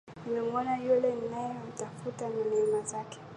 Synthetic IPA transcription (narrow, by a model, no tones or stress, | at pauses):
nimɛmɔnajulɛninajɔm̩tafutananɛmazakɛ̥